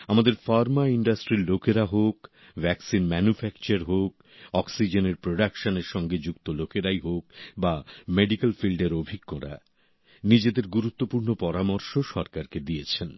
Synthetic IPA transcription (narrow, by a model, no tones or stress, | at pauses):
amad̪eɾfaɾmaiɳɖasʈɾiɾlokeɾaɦok | vɛksinmɛnufɛk̚t͡ɕaɾɦok̚ | ɔksid͡ʑeneɾpɾoɖakʃoneɾʃɔŋɡed͡ʑukt̪olokeɾajɦok̚bameɖikalfilɖeɾobʱiɡːoɾa̰ | nid͡ʑed̪eɾɡuɾut̪ːopuɾnopɔɾamoɾʃoʃɔɾkaɾked̪iet͡ɕʰen